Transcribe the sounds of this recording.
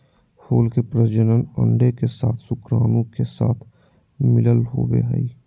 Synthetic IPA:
hoːlkepɾəd͡ʒənənə̰̃ɳɖekesaːt̪ʰsʊkɾaːnõkesaːt̪ʰ | mɪləlɦo̰ːbḛɦɛ̰i

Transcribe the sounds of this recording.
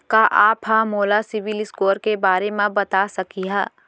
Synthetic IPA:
kaʔaːpɦamoːlasɪʋɪlɪskoːɾkebaːɾemẽbɐt̪asɐkiɦa̰ː

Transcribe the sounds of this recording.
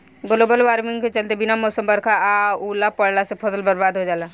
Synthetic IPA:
ɡloːbəlʋaːɾmɪ̃ŋɡket͡ʃəlt̪ebinamɔːsəmbəɾkʰaauːlapəɽlasepʰɔsəlbəɾbaːd̪ʱɦod͡ʒaːla

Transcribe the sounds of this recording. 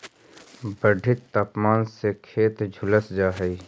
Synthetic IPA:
bəɖʱɪt̪ːaːpmaːnsekʰeːt̪d͡ʒʱʊləsd͡ʒaːɦəi

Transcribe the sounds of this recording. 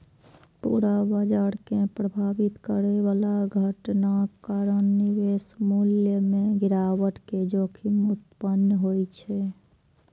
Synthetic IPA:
pṵɽabad͡ʒaɾkepɾəbʱabit̪kəɾeʋalaɡʱəʈnakaɾənːiʋesmuljəmẽɡiɾawəʈked͡ʒokʰimut̪̚pənjɦojt͡ʃʰɛ

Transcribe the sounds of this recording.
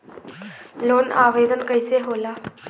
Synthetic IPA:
lonaʋed̪ənkəjseɦola

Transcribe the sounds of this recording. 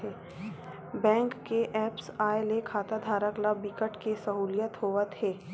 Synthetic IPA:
e | bɛ̃ːŋkːeʔɛːpsaːelekʰaːt̪ad̪ʱaːɾəklabikəʈkesɐɦuːlɪjət̪ɦoːʋət̪ʰeː

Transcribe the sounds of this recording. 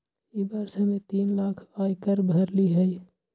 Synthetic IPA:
ebaːɾsamẽt̪iːnlaːkʰaːjkəɾbʱɐɾliɦɛj

